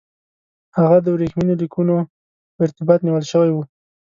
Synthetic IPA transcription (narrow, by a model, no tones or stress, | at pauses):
haɣad̪əwɾexminolikuno | pəɪɾt̪ɪbɑt̪niwəlʃəwajwu